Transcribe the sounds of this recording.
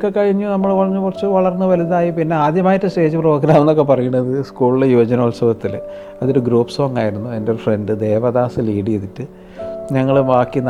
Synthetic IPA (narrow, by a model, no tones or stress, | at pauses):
kːekːɐɻiɲːunɐmːɐɭkɐɭɐɲːukurɐt͡ɕːɨʋɐɭɐrnːɨʋɐliðaːjipinːe̞aːd̪jɐmaːjitːɨste̞ːd͡ʑɨproːɡɐɾaːmenːokːe̞pɐrɐjuɳːɐðɨskuːɭilejuːd͡ʑɐnɐolsɐʋɐt̪ːil | ɐðoɾuɡɾuːpso̞ːŋɡaːjiɾunːuende̞fre̞ndɨd̪e̞ːʋɐd̪aːsɨliːɽijeðitːɨ | ɲɐŋːɐɭʋaːkːin